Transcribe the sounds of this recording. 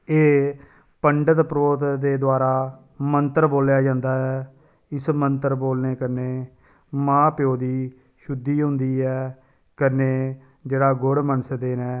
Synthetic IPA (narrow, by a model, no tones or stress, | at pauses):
eː | pəɳɖət̪pɾoːt̪d̪eːd̪oaːɾaː | mənt̪əɾboːljaːd͡ʒãːnd̪aːɛː | ɪsmənt̪əɾboːlneːkəɾneː | mãːpjoːd̪iː | ʃʊd̪ːiːɦʊ̃nd̪iːɛː | kəɾneː | d͡ʒeːɽaːɡʊɽmənəsd̪eːnɛː